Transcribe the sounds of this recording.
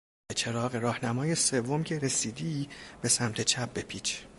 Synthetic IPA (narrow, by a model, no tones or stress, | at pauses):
bet͡ʃʰe̞ɾɒːɣeɾɒːhnæmɒːjese̞vːomcʰe̞ɾe̞siːd̪ibe̞sæmt̪ʰe̞t͡ʃʰæp̚bepʰiːt͡ʃʰ